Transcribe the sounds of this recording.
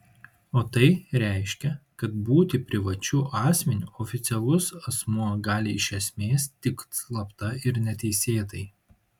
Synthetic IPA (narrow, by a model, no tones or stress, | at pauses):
oːt̪ɐɪɾʲæˑɪʃʲkʲɛkɐt̪buːt̪ʲɪpʲɾʲɪʋɐt͡ʃʲuːʔɑːsʲmʲɛnʲuːɔːfʲɪt̪sʲɛlˠʊsɐsmuɔɡɑːlʲɪɪʃʲɛsʲmʲeːst̪ʲɪk̪slˠɐpt̪ɐɪɾnʲɛt̪ʲɛɪsʲeːt̪ɐɪ